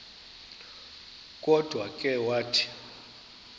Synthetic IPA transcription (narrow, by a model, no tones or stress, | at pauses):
kʼɔd̥ʱwakʼɛwaːtʰi̥